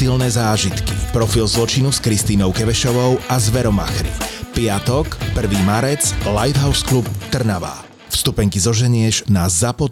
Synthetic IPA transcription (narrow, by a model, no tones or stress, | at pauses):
ilnɛːzaːʒit̪kipɾɔfilzlɔt͡ʃinuskɾist̪iːnɔʊkɛʋɛʃɔʋɔʊʔazʋɛɾɔma̰xɾḭpɪat̪ɔkpr̩ʋiːmaɾɛt͡slajd̪ɦaʊsklup̚t̪r̩naʋa̰ː | fst̪upɛŋkizɔʒɛɲɪɛʒnazapɔ